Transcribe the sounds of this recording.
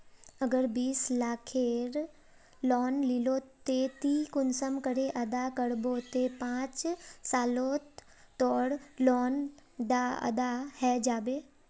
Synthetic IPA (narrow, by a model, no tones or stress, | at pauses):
ɐɡəɾbiːslaːkʰeɾ | lɔːnlilot̪et̪ikʊnsəmkəɾeʔɐd̪akəɽbot̪epãːt͡ʃsaːlo | t̪ɔːɽlɔːnd̪aɐ̰d̪ahɛd͡ʒaːbeː